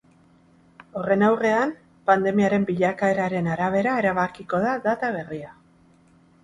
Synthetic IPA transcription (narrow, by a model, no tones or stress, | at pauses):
o̞re̞nawre̞am | pand̪e̞miaɾe̞mbiʎakae̞ɾaɾe̞naɾaβ̞e̞ɾae̞ɾaβ̞akiko̞ðaðat̪aβ̞e̞ria